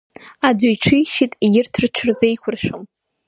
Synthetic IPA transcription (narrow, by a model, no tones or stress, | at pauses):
adʊjʈ͡ʂʷʰijʃitʼiɡʲɪrtʰɨrʈ͡ʂʰɨrzejkʷʰʊrʃᶣʷʊm